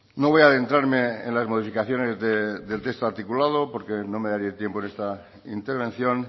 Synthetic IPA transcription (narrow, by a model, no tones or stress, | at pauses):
no̞βo̞jaðe̞nt̪ɾaɾme̞ḛnlazmo̞ð̞ifikaθjo̞ne̞zðeðe̞lt̪e̞kst̪oaɾt̪ikulað̞o̞po̞ɾkenome̞ðaɾiet̪je̞mponest̪a | int̪e̞ɾβ̞ẽ̞n̟θjo̞n